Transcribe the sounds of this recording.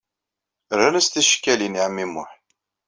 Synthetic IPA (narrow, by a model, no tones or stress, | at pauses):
ɾænəst̪iʃkːæliniʕəmːimʊ̰ħ